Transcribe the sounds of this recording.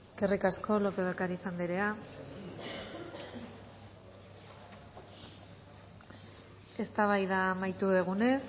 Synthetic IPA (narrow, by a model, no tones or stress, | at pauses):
eskerikasko̞lo̞peðakaɾisand̪eɾe̞a | e̞st̪aβajðamajt̪uðeɣ̞une̞s